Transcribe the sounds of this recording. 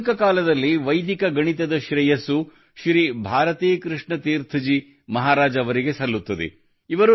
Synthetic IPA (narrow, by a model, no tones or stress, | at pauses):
kɐkaːlɐd̪ɐlːiʋɐjd̪ikɐɡɐɳit̪̬ɐd̪ɐʃɾɛjɐsu | ʃɾibʱaːɾɐt̪iːkɾɨʂɳɐt̪iːɾt̪ʰid͡ʒi | mɐɦaːɾaːd͡ʒɐɐʋɐɾiɡe̞sɐlːut̪ːɐd̪ḛ | iʋɐɾu